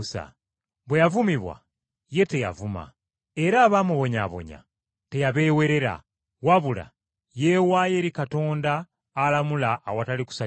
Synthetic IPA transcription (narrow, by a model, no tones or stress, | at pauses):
sa̰ | βwejavumiβwa̰ | je̞te̞ja̰vuma̰ | e̞ɾaːβaːmuβo̞ɲaβo̞̰ɲa̰ | te̞jaβe̞we̞ɾe̞ɾa̰ | waβula̰ | je̞waje̞ɾikato̞ːndaː | lamulaʔːwataliku̥sa